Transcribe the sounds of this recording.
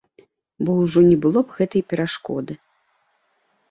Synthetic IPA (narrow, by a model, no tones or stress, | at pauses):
bɔwʐɔnʲɛbɨlˠɔbɣɛt̪ɐjpʲɛɾaʂkɔ̰d̪ɨ